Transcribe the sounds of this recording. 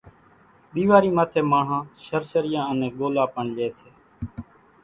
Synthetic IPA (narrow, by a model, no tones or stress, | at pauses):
ɓiːʋaːɾiːmaːt̪ʰeːmãːɳãːʃəɾsəɾɪjãːənẽːɡoːlaːpəɳleːseː